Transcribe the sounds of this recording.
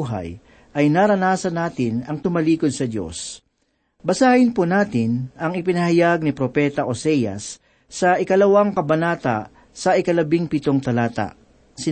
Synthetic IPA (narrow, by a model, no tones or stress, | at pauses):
ɦɐ̰j | ʔɐjnaːɾɐnaːsɐnaːt̪ɪnɐŋt̪ʊmɐliːkod̪̚sɐd̪jo̞̰s | bɐsaːʔɪnpunaːt̪ɪnʔɐŋɪpɪnɐhajaɡ̚nɪpɾopɛːt̪ɐʔosɛjɐ̰sː | ɐʔɪkɐlɐwaŋkɐbɐnaːt̪ɐ | sɐʔɪkɐlɐbɪŋpɪt̪oŋt̪ɐlaːt̪ɐ̰ʔ | sɪ